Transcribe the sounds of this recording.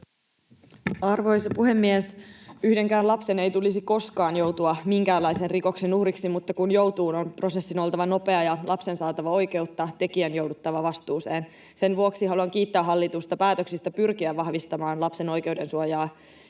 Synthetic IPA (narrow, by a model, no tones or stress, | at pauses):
ɑrʋo̞jsɑpuhe̞mːiesyhde̞ŋkæːnlɑpse̞ne̞jt̪ulisiko̞skɑːnjo̞wt̪uɑmiŋkæːlɑjsenriko̞ksenuhɾiksimut̪ːɑkunjowt̪uːno̞npro̞se̞sːinolˠt̪ɑʋɑno̞pe̞ɑjɑlʔɑpse̞nsɑːt̪ɑʋɑo̞jk̟e̞ut̪ːɑt̪e̞k̟iænjo̞wdut̪ːɑʋɑʋɑst̪uːse̞ːn | se̞nʋuoksiɦɑluɑŋk̟iːt̪ːæːɦɑlːit̪ust̪ɑpæːt̪øksist̪ɑpyrk̟iæːɑhʋist̪ɑmɑːnlɑpse̞no̞jke̞wde̞nsuojɑː